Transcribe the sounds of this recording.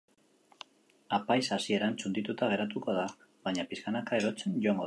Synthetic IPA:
apajsasie̞ɾant͡sund̪it̪ut̪aɣ̞e̞ɾat̪uko̞ð̞a | βaɲapiskanakae̞ɾo̞t͡se̞nʝoaŋɡo

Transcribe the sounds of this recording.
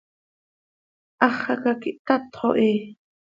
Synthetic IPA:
ʔɑχɑkakiʔt̪at̪χo̰ʔiː

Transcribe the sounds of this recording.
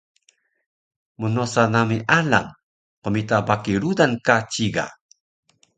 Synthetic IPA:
munosanamiʔala̰ŋ | qomitabakiɾudankat͡ɕiɡa̰

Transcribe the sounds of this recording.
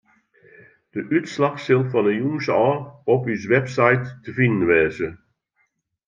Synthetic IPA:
d̥əʔytslɑxsɪlˠfɔnəjuŋsəɔrɔpysʋɛpsajtːəfinən̩ʋɛːzə

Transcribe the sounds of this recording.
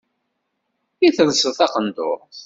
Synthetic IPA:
iθəðsəθɑqənd̪ʊɾ

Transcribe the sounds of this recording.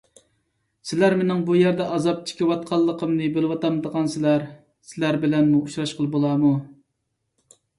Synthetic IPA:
sɪlæɾmenɪŋbujæɾd̪ɛʔɑzɑp̚t͡ʃʰi̥kʲiwɑt̪̚qʰɑlˠːəqəmnɨbɪlwɑt̪ɑmd̪əʁɑnsɪlæɾ | sɪlæɾbɪlɛnmuuʃɾɑʃqʰəlˠɨbolˠɑmu

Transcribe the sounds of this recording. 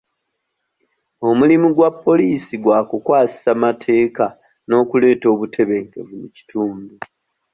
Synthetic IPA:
o̞mulimuɡwapːo̞liːsiɡwaːkukwaːsi̥samatʰe̞ːka | no̞ːkule̞ːto̞ːβutʰe̞βe̞ːŋkḛvunuci̥tuːmbu

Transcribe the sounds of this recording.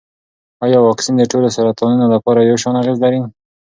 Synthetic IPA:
ɑjɑwɑksind̪əʈolosaɾat̪ɑnunolapɑɾajawʃɑnaɣezlaɾi

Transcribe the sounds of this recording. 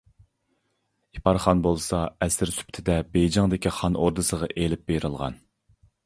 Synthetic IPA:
ipʰɑɾχɑnbolˠsɑɛsɪɾsy̥pt̪ʰɪd̪ɛbejd͡ʒɑŋd̪ɪkʲiχɑnoɾd̪ɨsəʁɑʔelɪp̚bejɾɨlˠʁɑ̰n

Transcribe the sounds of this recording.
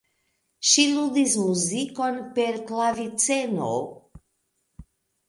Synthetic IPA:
ʃilud̪ismuziko̞npe̞ɾklavit͡seno̰

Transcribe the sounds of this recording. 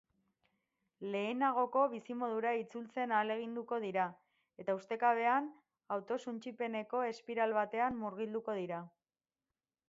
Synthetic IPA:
le̞ːnaɣ̞o̞ko̞β̞isimo̞ðuɾait͡sult͡se̞naːle̞ɣ̞ind̪uko̞ð̞iɾa | e̞t̪aust̪e̞kaβ̞e̞an | awt̪o̞sunt͡ʃipe̞ne̞ko̞e̞spiɾalβat̪e̞amːuɾɣ̞ild̪uko̞ð̞iɾa

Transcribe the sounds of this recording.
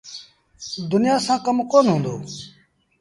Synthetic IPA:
d̪ʊnɪjaːsãːkəmkoːnɦõːnd̪o̰ː

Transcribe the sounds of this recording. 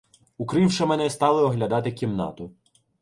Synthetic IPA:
ʊkɾɪwʃɐmɛnɛst̪ɑlˠɪɔɦlʲɐd̪ɑt̪ɪkʲimnɑ̰t̪ʊ

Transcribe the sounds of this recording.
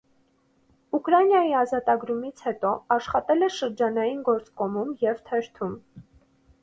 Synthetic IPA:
ukɾɑnjɑjiɑzɑt̪ɑɡɾumit͡sʰhɛt̪ɔɑʃχɑt̪ɛlɛʃəɾd͡ʒɑnɑjinɡɔɾt͡skɔmumjɛvt̪ʰɛɾt̪ʰum

